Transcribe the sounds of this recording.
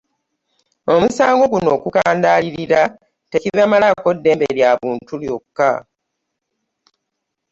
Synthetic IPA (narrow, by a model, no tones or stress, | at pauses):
o̞musaːŋɡo̞ɡuno̞ːkukaːndaːliɾiɾa | te̞ciβamalako̞dːe̞ːmbeljaβuːntuljo̞kːa